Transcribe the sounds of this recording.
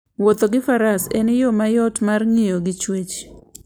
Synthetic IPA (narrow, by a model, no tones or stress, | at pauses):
wot̪oɡɪfaɾasɛ̰nɪjomajɔtmarŋijoɡɪt͡ʃwet͡ʃ